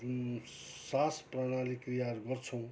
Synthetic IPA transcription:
saspranalikrijaɾuɡʌrt͡sʰʌw̃

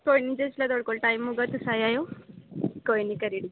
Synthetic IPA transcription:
kojnid͡zeslad̪oɽkoɭʈaimːuɡət̪ːusajajo | kojnikəɾiɽi

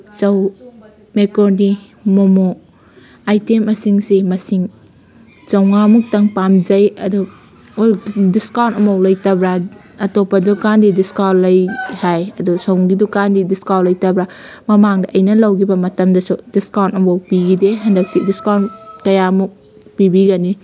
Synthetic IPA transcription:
t͡ʃɐw | mekɔɾni | momo | ajtemːɐsiŋsimɐsiŋ | t͡ʃɐwŋamuk̚tɐŋpamd͡ʒɐjɐdu | ojdiskawntɐmɐwlɐjtɐbɾa | ɐtɔpɐdukandidiskawlɐjhajɐdusowŋɡidukandidiskawlɐjtɐbɾamɐmaŋdɐʔɐjnɐlɐwɡibɐmɐtɐmdɐsudiskawntɐmawpiɡideɦɐndɐk̚tidiskawnkɐjamuk̚ | pibiɡani

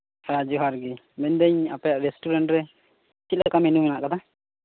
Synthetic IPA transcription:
ɾad͡ʒuɦaɾɡi | mɛnd̪ɛɲapɛjaʔɾɛsʈuɾɛɳʈɾɛ | t͡ʃit̪lakamɛnumɛnaʔkat̪ʰa

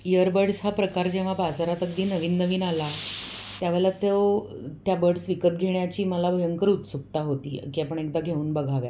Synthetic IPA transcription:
jəɾbəɽsɦapɾəkaɾd͡ʑẽʋ̤abasaɾat̪əɡd̪iːnəʋiːnːəʋiːnalat̪jaʋɛlat̪ew | t̪jabəɽsʋikəp̚ɡʱeɳjat͡ɕiːməlabʱəjəŋkəɾut̪suk̚t̪aɦot̪ḭːkiapəɳekd̪aɡʱeuːnbəɡʱaʋja̰

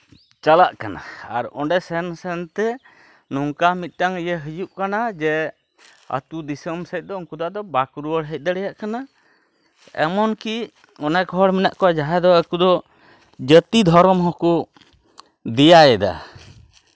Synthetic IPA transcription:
t͡ʃalaʔkana̰aɾɔɳɖɛsɛnsɛnt̪ɛ | nɔŋkamit̪̚ˀʈaŋəjəɦəd͡ʒuʔkanad͡ʒɛ | ə̰t̪ud̪isəmsəc̪̚ˀd̪ɔɔŋkud̪aʔd̪ɔbakuɾuwəɽɦəc̪̚d̪ɛɽɛjaʔkana | ɛ̰mɔnki | ɔnɛkɔɦɔɽminaʔkɔad͡ʒaɦad̪ɔəkud̪ɔ | d͡ʒət̪id̪ʱɔɾɔmɦɔku | d̪ɛjajɛd̪a̰

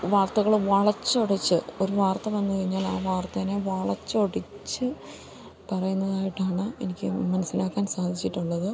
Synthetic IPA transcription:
ʋaːrt̪ɐɣɐɭʋɐɭɐt͡ɕːoɽit͡ɕːɨo̞ɾuʋaːrt̪ɐʋɐnːɨkɐɻiɲːaːla̰ːʋaːrt̪ɐneʋɐɭɐt͡ɕːoɽit͡ɕːɨ | pɐrɐjunːɐðaːjiʈːaːɳɨenikʲːɨmɐnɐsinaːkːaːnsaːd̪ʱit͡ɕːiʈːuɭːɐðɨ

